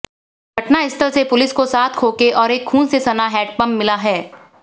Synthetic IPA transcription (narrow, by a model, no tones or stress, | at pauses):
bʱɐʈnaɪst̪əɾsepʊlɪskosaːt̪ʰkʰoːkeʔɔːɾeːkʰːuːnsesɐnaɦɛːʈ̚pɐ̃mːɪlaɦɛː